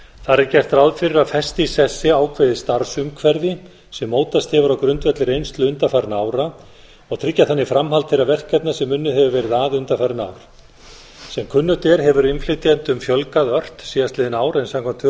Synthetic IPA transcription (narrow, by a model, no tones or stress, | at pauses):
θaɾɪɾcɛr̥t̪ɾawðfɪɾɪɾafɛst̪isɛsːɪaːwkʰvɛðɪst̪aɾsʏmkʰvɛɾðɪ | sɛmːoːwt̪ast̪hɛvʏɾawkɾʏnt̪vɛt̪lɪɾejnst̪lʏʏnt̪afaɾnaːwɾa | ɔɣt̪ʰɾɪcːaθanːifɾamhalt̪ʰːɪɾavɛr̥kʰvɛt̪nasɛmːʏnːʏhɛvʏvɛːɾɪðaːðʏnt̪afaɾnawɾ̥ | sɛmkʰʏnːʏt̪ɛɾɦɛvʏɾɪnflɪt̪iɛnt̪ʏmfjœlkaðœr̥t̪siːðast̪lɪːðɪnaːwɾɛnsamkʰɔmt̪ʰʏ